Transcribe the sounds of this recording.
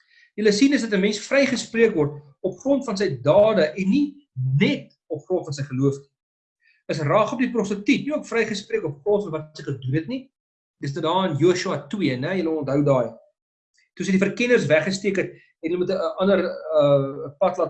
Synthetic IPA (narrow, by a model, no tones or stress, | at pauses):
jələsinəsdɐtəmɛnsfrɛjχəspriəkvɔrt | ɔpχrɔntfɐns̬əjdɑːdəʔɛnːi | nɛt | ɔpχrɔntfɐns̬əjχəluəfni̥ | əsrɑːχɔp̚diprɔstətitniuəkfrɛjχəspriəkɔpχrɔntfɐnvɐtsəjχədunɦɛtni | dəs̬dədɑːənjuːʃuɐtwiənɛjələɔntɦəwdɑːj | tusəjdifərkɛnərsvæχəstiəkət̚ | ɛnjələmutəəʔɐndərəpɐtlɑt